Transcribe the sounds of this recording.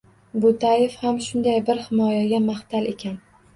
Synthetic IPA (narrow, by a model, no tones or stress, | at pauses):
bʊt̪ʰajefhamʃʊnd̪ajbɪɾhɪmɒjaɡʲamaht̪ʰale̞kʲan